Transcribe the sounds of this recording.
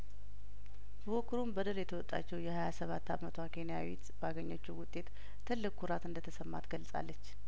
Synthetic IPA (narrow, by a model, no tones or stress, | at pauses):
bəokʰːɨɾumbəd̪ɨɾjɛt̪ʰəwɔt̪ʼːa̰t͡ʃːɛwjɛhajasəβat̪ːamət̪ʰwakʰe̞nijawit̪baɡəɲːot͡ʃːuwʊt̪ʼːe̞t̪ | t̪ʰɨlːɨkʼʰːuɾat̪ɨnd̪ət̪ʰəsəmːa̰t̪ɡəlsʼa̰lːət͡ʃː